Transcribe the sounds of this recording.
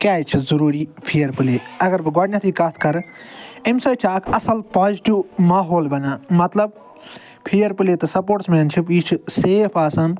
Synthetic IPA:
kaːt͡ʃʰizɐɾuːɾiːpʰiːəɾpɨleːɐɡɐɾbɨɡaːɽnat̪ʰiːkɐt̪ʰkɐɾemsɐːjt͡ʃʰaːkʰɐsɐlpad͡ʒʈimaːɦoːlbɐnaːmɐt̪lɐb̚ | pʰiːɐɾpɨleːt̪ɐsɐpoːʈsmeːnt͡ʃʰipiːt͡ʃʰseːpʰaːsan

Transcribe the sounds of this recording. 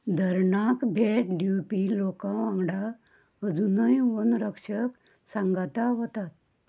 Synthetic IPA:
d̪ʱəɾɳakbʱeʈ̚ɖupilokãʋãŋɡɽa | əd͡zunəjʋonɾəkʂək | sãŋɡat̪aɦot̪at̪̚

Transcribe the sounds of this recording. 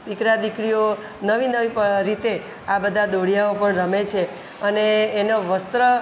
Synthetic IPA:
d̪ikɾad̪ikɽijo | nəʋinəiɾit̪e | abəd̪ʱad̪oɽijaopəɳɾəmet͡ʃʰe | əneːnoʋəst̪ɾə

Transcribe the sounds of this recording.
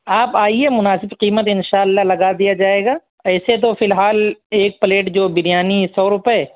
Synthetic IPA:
aːpaːiemʊnaːsɪbqiːmət̪ɪnʃaːɐlːalɐɡad̪ijad͡ʒaːeːɡaː | ɛːset̪̬ofɪlɦaːleːk̚pɐleːʈd͡ʒoːbɪnijaːnisɔːɾʊpəɛ

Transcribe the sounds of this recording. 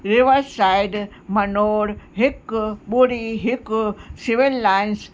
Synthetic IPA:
ɾɪʋəɾsaɪɖmɐnoːɾɦɪkɓoɽiɦɪksɪʋilːaːɪns

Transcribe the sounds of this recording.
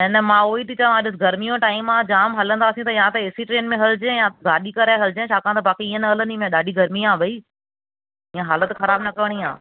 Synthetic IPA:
nɛnɛmãːoːit̪it͡ɕɐʋãɗɪs̬ɪɡʱɐɾmijõʈaːɪmãːd͡ʑaːmɦɐlə̃nd̪aːsĩt̪ɐjãt̪ɐɪːsiʈɾeːnmẽɦɐld͡ʑẽjãɡaːɗikɐɾaɦɐlɪd͡ʑẽt͡ɕʰaːkʰãːt̪ɐbaːkeiːə̃nɐɦɐlə̃nimẽɗaːɗiɡʱɐɾmiãːbʱɐiː | iːə̃ɦaːlət̪xɐɾaːbnɐkɐʋɽ̃iã̰ː

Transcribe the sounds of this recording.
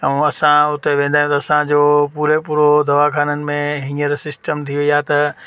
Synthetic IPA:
ũɐsãʊt̪eʋẽːn̆d̪aːjũt̪ɐːsãd͡ʑoːpuːɾepuːɾod̪ʱɐʋakʰaːnənɪ̆mẽɦɪ̃ŋəɾsɪsʈəmt̪ʰijoijat̪ɐ

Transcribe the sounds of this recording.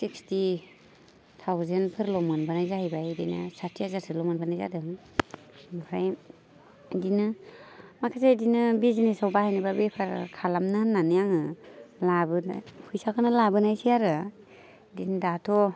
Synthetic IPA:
siksti | tʰawzenpʰɯɾlɔmɯnbanajzahajbajdina̰satʰiazaɾsʰɯlɔmɯnbanajza̰dɯŋ | mapʰɾaj | dinɯ | makʰasedinɯbizinesawbahajnibabepʰaɾ̰kʰalamnɯhnːanɯjaŋɯlabɯ̰hʰɯjsakʰɯnɯlabɯnajsijaɾɯ | dindatʰɔ

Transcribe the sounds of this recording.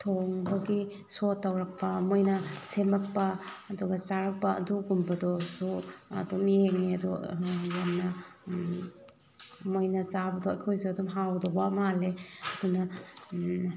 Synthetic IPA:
tʰoŋbɐɡi | sotːawɾɐk̚pɐmojnɐsemɐk̚pɐː | dɔɡɐt͡ʃaɾɐk̚pɐɐ̰duɡumbɐdɔsuɐ̰dɔmeŋeɐdɔ̰jamnɐ | mojnɐt͡ʃabɐdɔajkʰojzeɐdumɦawdɔbamaleɐdunɐ

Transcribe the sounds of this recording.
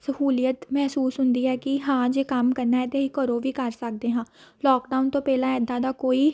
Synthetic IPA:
səhuːlijət̪mɛɦsuːsɦʊnd̪iːɛːkɪɦãːd͡ʒeːkəmkəɾnaːɛːt̪eːiːkəɾoːʋiːkəɾsək̚d̪eːɦãː | lɔːkɖaːʊnt̪õːpɛːlãːɛɪd̪ːãːd̪aːkoːiː

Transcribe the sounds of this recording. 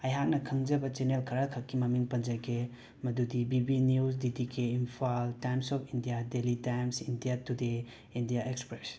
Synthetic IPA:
ɐjɦak̚nɐkʰɐŋd͡ʒɐbɐt͡ʃenelkʰɐɾakʰɐkːimɐmiŋpɐnd͡ʒɐɡe | mɐdudibibinuws̬didikeimpʰaltajmsɔpʰindijadelitajmsindijatude | indijaʔekspɾes

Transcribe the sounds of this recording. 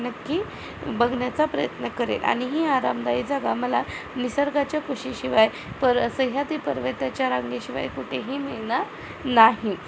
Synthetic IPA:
nəkːiː | bəɡʱɳjat͡sapɾəjət̪nəkəɾḛla̰ɽ̃iɦiːaɾamd̪aid͡zaɡaməlanisəɾɡat͡ɕjakuɕiɕiʋaj | pəɾəsəɦjat̪iːpəɾʋət̪jat͡ɕjaɾaŋɡeɕiʋa̰jkuʈʰeɦiːmiɭna | naɦi

